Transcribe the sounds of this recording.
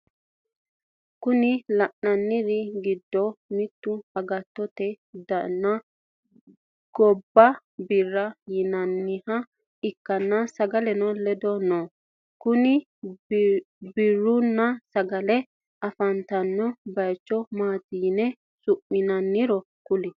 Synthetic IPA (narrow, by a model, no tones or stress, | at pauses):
kʊnɪlɐʔnɐnːɪɾɪɡɪd̪ːɔmɪt̪ːʊɐɡɐt̪ːɔt̪ɛ | d̪ɐnːɐ | ɡ̥ɔbːɐ | bɪrːɐjɪnɐnːɪhɐ | ɪkːɐnːɐsɐɡɐlɛnɔlɛd̪ɔnoː | kʊnɪ | bɪrːʊnːɐsɐɡɐlɛ | ɐfɐnt̪ɐnːɔbɐjt͡ʃːɔmaːt̪iːnɛ | sʊʔmɪnɐnːɪɾɔ | kʊlɪ